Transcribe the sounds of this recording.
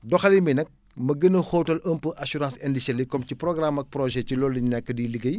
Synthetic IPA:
dɔxɐliminɛk̚ | mɐɡənɐxoːwtɐləmpəʔɐsuɾãːsɛndisɐlikɔmciprɔɡramɐk̚prɔʒɛcilɔːlːiɲnɛkːədiːliɡɐj

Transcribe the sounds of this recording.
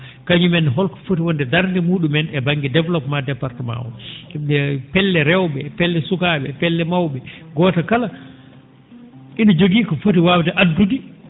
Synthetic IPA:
kaɲumɛnːɛɦɔlkɔ̥futiwɔndɛdaɾdimuːɗumɛnɛbaŋɡidɛvlɔpmadɛpaɾtɛma̰wɔ̰ɛpɛlːɛɾɛwɓɛpɛlːɛsukaːɓɛpɛlːɛmawɓɛɡɔːtakala | inad͡ʒoɡiːkɔfutiwawtɛʔadːudi

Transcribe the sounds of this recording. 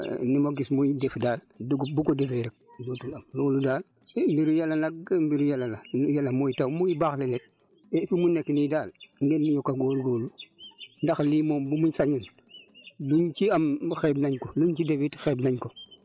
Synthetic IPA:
nimoɡismujdefdaːl | duɡbukodefeɾek̚dotulamloːludaːl | embiɾujalanaɡ̚mbiɾujalalanjalamojitawmojibaxlelet̚ | efimuneknidaːlŋɡenːijokːaɡoːɾɡoːlundaxliːmoːmbumuɲsaɲin | luɲt͡ʃiamxebnaɲkoluɲt͡ʃidefitxeːbnaɲko

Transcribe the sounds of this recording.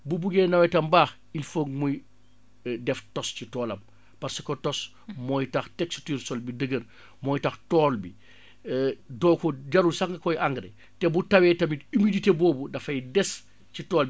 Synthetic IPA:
bubuɡeːnɐwɐtɐmbaːx | ilfoːɡmuj | dɛftɔscitɔːlɐm | pɐɾsikɔtɔs | mɔjtaxteksi̥tyːɾsɔlbidəɡəɾ | mɔːjtɐxtɔːlbi | dɔːkɔɟɐɾulsaŋɡɐkɔjʔaŋɡɾḛ | tɛbutɐwɛtɐmitimiditebɔːbudɐfɐjdɛs | citɔːlb

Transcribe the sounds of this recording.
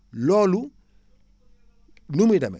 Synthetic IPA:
lɔlu | numidamɛ̰

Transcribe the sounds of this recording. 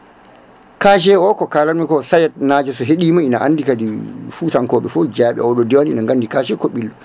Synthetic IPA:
kaːʃ̬ɛɔkɔkaːlammikɔsajɛt̚naːd͡ʒɛsɔɦeɗiːmainaʔa̰ndikadifutaŋkɔːɓɛfɔd͡ʒaːɓɛ̰ɔɗɔdɛwanḭnaŋɡandikaʃɛkɔɓilːɔ

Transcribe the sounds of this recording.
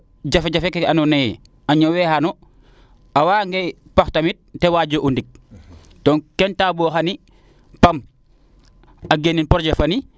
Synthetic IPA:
ɟafeɟafekɛanɔnej | aɲɔwɛhanɔ | awaːŋɡepaxtamit̚tɛwaɟoʔundik̚ | tɔːnkɛntaboxani | pam | aɡeninpɔɾɟafani

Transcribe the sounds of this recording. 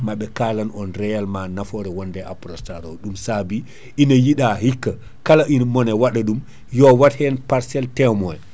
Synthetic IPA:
maɓɛkalanɔnɾɛjalmanafɔɾɛwɔndɛʔa̰pɾɔstaɾɔɗumsabi | ʔinajiɗahikːa | kalaʔinmɔnɛwaɗaɗum | jɔwathɛnpaɾsɛltɛmɔj

